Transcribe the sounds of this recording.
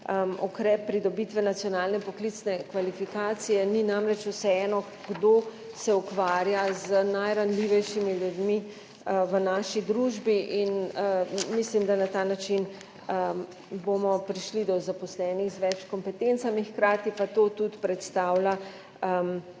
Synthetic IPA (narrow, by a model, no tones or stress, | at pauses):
əukɾɛpːɾid̪ɔbit̪ʋɛnat̪sijɔnaːlnɛpɔklit̪snɛkʋalifikaːt̪sijɛninamɾɛt͡ʃusɛɛːnɔ | ɡ̥d̪oː | sɛukʋaːɾjazənajɾanliʋɛjʃimiljud̪mi | ʋənaːʃid̪ɾuʒbiʔinəmislimd̪anat̪aːnat͡ʃin | ə | bomɔpɾiʃlid̪ɔzapɔslɛːnixzʋɛt͡ʃkɔmpɛt̪ent̪samixkɾaːt̪ipat̪oːt̪ut̪pɾɛt̪st̪aːwla | əm